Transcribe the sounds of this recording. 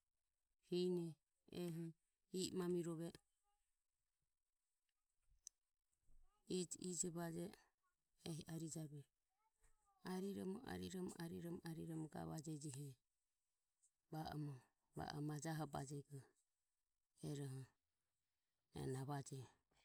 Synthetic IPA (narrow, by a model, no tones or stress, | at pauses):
hinɛ | ɛɦɔ | iʔmamiɾɔβɛ | id͡ʒid͡ʒɛβad͡ʒɛ | ɛɦaɾid͡ʒaɾuɛ | aɾiɾɔmɔa̰ɾiɾɔmɔʔaɾiɾɔmɔʔaɾiɾɔmɔɡa̰βad͡ʒɛd͡ʒiɦɛ | baɔmɔ | βa̰ʔɔmad͡ʒaɦɔbad͡ʒɛɡɔ | ɛɾɔɦɔ | ɛ̰naβad͡ʒɛ